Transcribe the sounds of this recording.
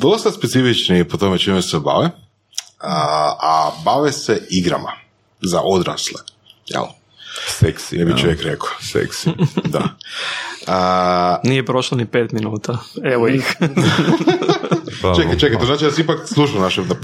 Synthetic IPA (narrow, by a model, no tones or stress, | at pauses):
d̪o̞st̪aspet̪sifit͡ʃnijepot̪omet͡ʃimeseba̰ʋe | əabaʋeseiɡɾa̰ma̰ | zaʔod̪ɾa̰sle | jɛ̰l | seksiebit͡ʃoʋjekɾeko̥sḛksid̪a̰ | ənijepɾoʃlˠanipeːt̪minuːt̪aeʋoix | t͡ʃekat͡ʃekaj̪onaːt͡ʃid̪asamipakslˠuʃaonaʃed̪a